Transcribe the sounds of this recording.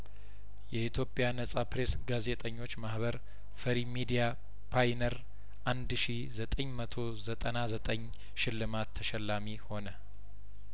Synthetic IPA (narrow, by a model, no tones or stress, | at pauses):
jɛʔit̪ʰjo̞pʼjanəsʼapɾe̞sɡaze̞t̪ʼəɲːo̞t͡ʃːmahβəɾ | fəɾimid̪ija | pʰajnəɾ | ʔand̪ʃi | zət̪ʼəɲːmət̪ʰo̞zət̪ʼənazət̪ʼəɲː | ʃɪlːɨmat̪ʰːəʃɛlːamiho̞nə